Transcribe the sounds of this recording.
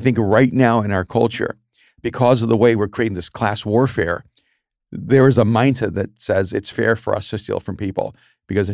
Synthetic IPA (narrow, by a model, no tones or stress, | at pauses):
θɪ̃ŋkɹaɪtⁿnaʊɨ̃ñaʊə˞kʰʌ̰lˠt͡ʃə̰˞ | b̥ɨkʰɔzʌvðəweɪwɪɹkʰɹ̥ieɪɾɪ̃ŋðɪskʰl̥æswɔɹfɛ̰ɹ | ðə˞ɨzəmãɪ̃ntɨðɨt̚sɛzɨtsfɛ̰ɹfə̰˞ʌ̰stʰɨstḭlˠfɹʌ̃mpipl̩ˠ | b̥ɨkʌz